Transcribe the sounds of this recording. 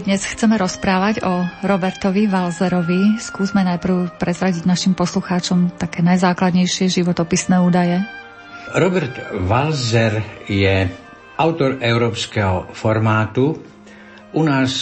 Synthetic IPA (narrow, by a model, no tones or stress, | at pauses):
d̪ɲɛsxt͡sɛmɛɾɔspɾaːʋaɟɔɾɔbɛɾt̪ɔʋiʋalzɛɾɔʋiskuːzmɛnajpr̩ʊpɾɛzɾaɟiɟnaʃimpɔsluxaːt͡ʃɔmt̪akɛːnajzaːklad̪ɲɛjʃɪɛʒiʋɔt̪ɔpisnɛːuːd̪ajɛ | ɾɔbɛɾt̪ʋalzɛɾjɛ | ʔaʊt̪ɔɾɛʊɾɔːpskɛɦɔfɔɾmaːt̪u | unaːs